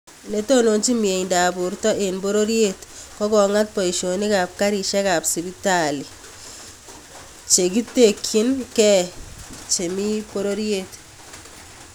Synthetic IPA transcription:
ne˦to˦no˨nt͡ʃi˦mie˨ndaː˨bu˨ɾtɔ˦ʔenbo˦ɾo˦ɾje˦tkɔ˦kɔ˨ŋa˦t̚pɔ˨i˨ʃo˨ni˦ka˨p̚ka˦ɾi˨ʃɛ˦ka˨psi˨bi˦ta˨li˨ | t͡ʃe˨ki˦te˨kʰːi˦nkɛ˦ | t͡ʃe˨mi˦po˦ɾo˦ɾje˦t

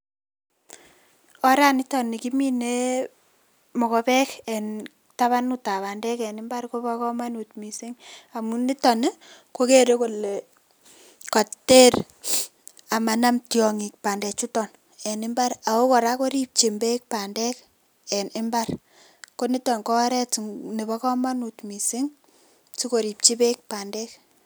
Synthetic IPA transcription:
ɔ˨˦ɾa˦nɪ˦tɔ˨ni˨ki˦mi˦ne˦ | mɔ˨kɔ˦pɛ˦kɛ˨n | ta˦βa˦nuta˨βa˨ndɛ˦kɛ˨nɪ˦mba˦ɾko˦ba˦kɔ˦ma˦nu˨tmi˨si˦ŋa˨mu˦ni˦tɔ˨n˦ko˦ke˦ɾe˦ko˨le˨ | kɔ˨te˦ɾ | a˨ma˨na˦mtjɔ˨ŋi˨k̚pa˨ndɛ˨t͡ʃu˦tɔ˨n | ɛ˨nɪ˦mba˦ɾa˨o˦ko˨ɾa˦ko˦ɾi˦p̚t͡ʃi˨mbe˦k̚pa˨ndɛ˦k | ɛ˨nʔɪ˦mba˦r | ko˦ni˦tɔ˨nkɔ˦ɾɛ˦tne˨bɔ˦kɔ˦ma˦nu˨tmi˨si˦ŋ | t͡ʃi˦ko˨ɾi˨p̚t͡ʃi˦be˦k̚pa˨ndɛ˦k

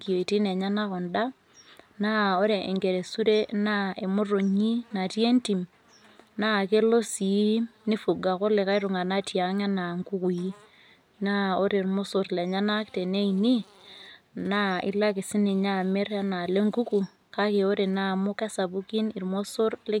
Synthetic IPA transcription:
ki˨o˨i˨ti˦ne˨ɲa˦na˦kɔ˨nda˦ | na˦o˦ɾe˨e˨ŋɡe˨ɾe˨su˦ɾe˦na˦e˨mo˦ro˨ɲi˦na˨tje˦nti˨m | na˦˨ke˦lo˦si˨˦ni˦fu˨ɡa˨ko˦le˨ka˦i˦ɾu˨ŋa˨na˦tja˨ŋa˦na˨ŋɡu˦ku˨ji˦ | na˦o˦ɾe˨ɾmo˦so˦ɾle˨ɲa˦na˦kte˨ne˦ini˦ | na˦ḭ˦la˦kɪ˨si˦ne˨ɲa˦˨me˦ɾa˦na˨le˦ŋɡu˦ku˨ | ka˦ke˨o˦ɾe˨na˦mo˦ka˦sa˨bu˦ki˦ni˨ɾmo˦so˦rle˦

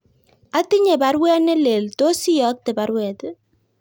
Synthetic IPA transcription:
a˦ti˦ɲe˨ba˦ɾwɛ˦ne˦le˨lto˦si˦jɔ˦k̚te˨ba˨ɾwɛ˨t

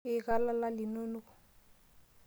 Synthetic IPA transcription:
ɪ˨ka˦la˦la˦lɪ˨no˦nɔ˦kʊ˨

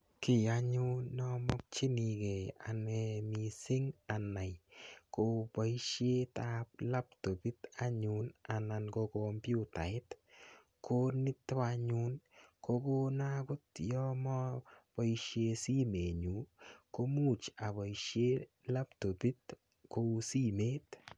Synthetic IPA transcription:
kɪ˨a˦ɲʊ˦nɔ˦mɔ˦k̚t͡ʃi˦ni˨ɡe˨a̰˨nɛ˧mi˨sɪ˦ŋa˨na˨jko˦ba˨˦i˦ʃje˦ta˦pla˦p̚to˨pi˦t̪a˦ɲu˨na˨na˧nko˧kompju˦ta̰˨ɪ˦t | kʰo˦nɪ˦tːwaɲu˦nko˧ko˦na˦kʊ˦tjɔ˦mɔ˦pɔ˦iʃje˧si˦me˨ɲu˨ko˦mu˦˨t͡ʃa˨bɔ˨iʃje˦ | la˦pto˨pi˦t̚ | kosi˦me˦t

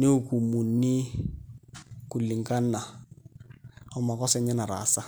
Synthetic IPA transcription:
nɪ˦u˦˨ku˨mu˨nnɪ˦ | ku˨lːi˨ŋ˨ka˦nːa˨ | ɔ˦ma˨kɔ˦sɛ˨˦ɲɛ˦na˨ɾa̰˨sa˦

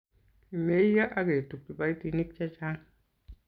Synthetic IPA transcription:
i˨me˦ja˦ʔa˦ɡe˨tu˨k̚ːi˨ba˦jti˨˧ni˦k̚t͡ʃa˦t͡ʃa˦ŋ

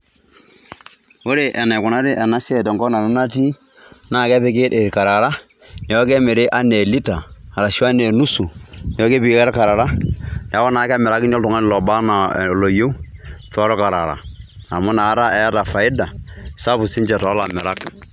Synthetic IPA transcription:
o˦ɾe˨ʔɛ˨na˨kʊ˨na˦ɾi˦ʔɛ˨na˦sɛ˨tɛ˨ŋɡɔ˦na˨ɾu˦na˦ti˦ | na˨kɛ˦pɪ˦k̬e˦te˨ɾka˨ɾa˨ɾa˦ | n˨jɔ˦ke˦mɪ˨ɾe˦ʔa˦ne˨li˦taː˨ | ɾa˨ʃa˦ne˨nu˦su˨ | n˨jɔ˦ke˦pɪ˦kɛ˦ɾka˨ɾa˨ɾa˦˨a˨˦kɔ˦na˨˦ka˦mɪ˨ɾa˦kɪ˦nɔ˦ltʊ˨ŋa˦n˨lɔ˨ba˦na˨lo˨jo˦ | tːɾɔ˦ka˨ɾa̰˨ɾa̰˨ | a˨mʊ˦na˨˦ɾa˦ɛ˦a˦ta˨fa˨ɪ˦da˨ | sa˦pu˨sɪ˦nt͡ʃɛ˨tɔ˨˦la˨mɪ˨ɾa˦k

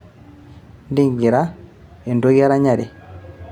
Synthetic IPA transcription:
ndi˦˨ŋɡi˨ɾa˦ | e˨ndo˦ɣi˦a˦ɾa˦ɲa˨ɾe˨

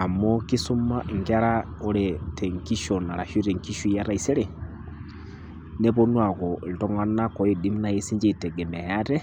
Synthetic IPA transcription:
a˨mɔ˦ki˦su˦ma˦ʔŋɡa˦ɾa˦ | ɔ˦ɾɛtɛ˨ŋki˦ʃɔ˨na˨ɾa˨ʃu˦ɾɛ˨ŋki˦ʃu˦ja˦ɾa˦i˨sɛ˦ɾɛ˨ | nɛ˦βɔ˦nwa˨kɔ˨ltɔ˦ŋɡa˦na˦kɔ˦ji˨di˦m˦na˨je˦si˦ɲd͡ʒi˦˨tɛ˨ɡɛ˨mɛ˨ja˦tɛ˦

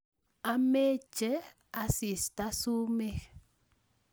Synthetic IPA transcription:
a˦me˦t͡ʃe˦ | a˨si˨st̪a˦su˦me˦x

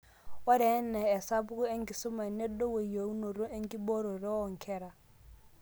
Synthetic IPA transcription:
wɔ˦ɾɛ˨˦nɛː˨sa˦bʊ˦ku˦ɛ˦ŋ˦ki˨sʊ˦ma˨nɛ˦dɔ˦we˨jo˨u˦no˨ɾo˦e˦ŋ˦ki˦bɔ˦ɾɔ˨ɾɛ˦ɔ˦˨ŋ̩˨kʰɛ˦ɾa˨

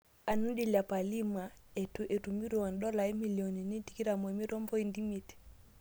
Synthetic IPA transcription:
a˨nu˦di˦la˨pa˨li˦ma˨e˨tu˨ʔe˨tu˨mi˦ɾɔ˨a˨ndɔ˦la˨i˦mi˨li˨ɔ˨ni˨ni˦ti˨ki˦ɾa˨mɛ˨mi˦ɾɔ˦mbɔ˦i˦˨ndi˦mi˦ti̥

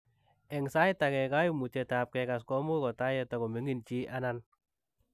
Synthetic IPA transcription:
ɛ˨ŋsa˦jta˨kɛ˨ka˦ju˦mu˨t͡ʃɛ˨˧ta˨p̚kɛ˧ka˨skɔ˦mu˦kɔ˨ta˦jɛ˧ta˨kɔ˨me˨˦ŋi˦˨nt͡ʃi˦ʔa˦na˦n

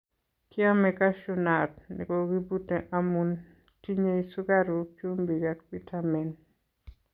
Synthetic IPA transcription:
kɪ˦a˦mɛka˦ʃuna˨t̚nḭ˨ko˨ɡi˦bu˦te˨ʔamun | ti˦ɲeisu˦ɡa˦ɾu˨kju˦mbi˨ɡak̚pi˦tʰamɛ˨n

